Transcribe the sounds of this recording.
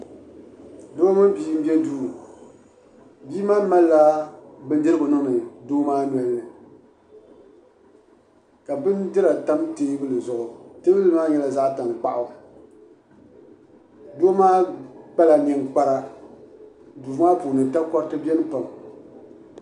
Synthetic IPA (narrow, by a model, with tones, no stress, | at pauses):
do˦mɨ˦biː˦m̩˦bɛ˦duː˦˨ | biː˦maː˦ma˦lːa˦bɨ˦n˦dɨ˦ɾɨ˦bʊ˨nɨ˦ŋnɨ˨doː˦maː˦nwɛ˨lːɨ˨ | ka˨bɨ˦ndɨ˦ɾa˨ta˦mteː˦bɨ˦lɨ˨zʊ˨ʔʊ˨te˦bɨ˦lɨ˦maː˦ɲɛ˨la˨za˦ʔta˨ŋk͡pa˦ʔʊ˦ | doː˦maː˦k͡pa˦la˨ɲɛ˨ŋk͡pa˦ɾa˦ | duː˨˦aː˦pu˨nɨ˨ta˦kɔ˦ɾtɨ˦bɛ˦nɨ˦pa˨m